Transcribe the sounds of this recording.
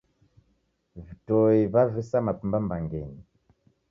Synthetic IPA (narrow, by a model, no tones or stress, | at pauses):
vitɔiβavisamapumbambaŋɡɛni